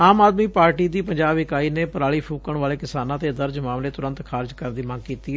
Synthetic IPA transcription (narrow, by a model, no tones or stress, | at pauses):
aːmaːd̪miːpaːɾʈiːd̪iːpəɲd͡ʒaːbɪkaːiːneːpəɾaːɭiːpʰũːkəɳʋaːleːkɪsaːnãːt̪eːd̪əɾd͡ʒmaːmleːt̪ʊɾə̃nt̪kʰaːɾd͡ʒkəɾnd̪iːmãːŋɡkiːt̪iːɛ